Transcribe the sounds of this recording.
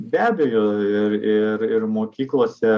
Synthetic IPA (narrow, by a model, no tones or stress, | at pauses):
bʲæːbʲɛjoːɪrɪɾɪɾmoːkʲiːklˠoːsʲɛ